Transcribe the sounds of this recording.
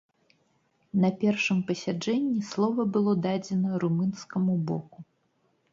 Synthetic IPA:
nɐpʲɛrʂɨmpɐsʲad͡ʐɛnʲːislˠɔvɐbɨlˠɔd̪ad͡zʲɛnɐɾumɨnskɐmubɔ̰ku

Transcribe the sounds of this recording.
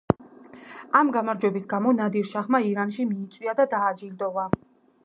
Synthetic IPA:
amɡamaɾd͡ʒwɛbisɡamɔnad̪iɾʃaχmaiɾanʃimiːt̪sʼwiad̪ad̪aːd͡ʒild̪ɔva

